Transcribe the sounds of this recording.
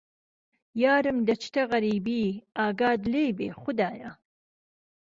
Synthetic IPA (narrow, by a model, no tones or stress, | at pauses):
jɑːɾɨmd̪ɐt͡ʃt̪aɣɐɾiːbiːɑːɡɑːd̪lejbḛːxʊd̪ɑːja